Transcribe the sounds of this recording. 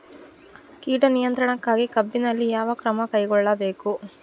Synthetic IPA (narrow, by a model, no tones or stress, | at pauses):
kiːʈɐnijɐnt̪ɾɐɳɐkːaːɡikɐbːinɐlːijaːʋɐkɾɐmɐkɐjɡɔɭːɐbe̞ːku